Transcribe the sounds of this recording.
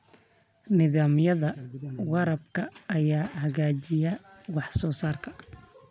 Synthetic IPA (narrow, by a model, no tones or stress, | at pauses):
nɪðaːmjɐðɐwɑɾɐb̚kʰɐʔːjaːhɐɣaːt͡ʃɪjɐwɑħsɔːsaːrkʰɐ̥